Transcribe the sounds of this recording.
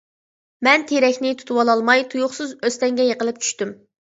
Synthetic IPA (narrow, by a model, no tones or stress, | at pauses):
mɛnt̪ʰeɾɛkʲnɪt̪ʰu̥t̪ʰuwɑlˠɑlˠmɑjt̪ʰujʊχsɨzøst̪ɛŋɡʲɛjəqəlˠɨp̚t͡ʃʰy̥ʃt̪ym